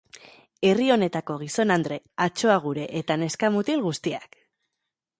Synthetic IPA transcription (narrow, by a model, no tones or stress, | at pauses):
e̞rio̞ne̞t̪ako̞ɣ̞iso̞nand̪ɾe̞ | at͡ʃo̞aɣ̞uɾe̞ʔet̪ane̞skamut̪ilɣust̪ia̰k